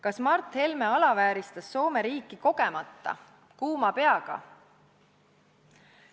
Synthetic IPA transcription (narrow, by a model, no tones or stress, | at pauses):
kɑsmɑrt̪he̞lme̞ɑlɑvæːɾist̪ɑsːo̞ːme̞ɾiːkːˑiko̞ɡ̥e̞mɑt̪ːɑ̰ | kuːmɑpe̞ɑɡ̥ɑ̰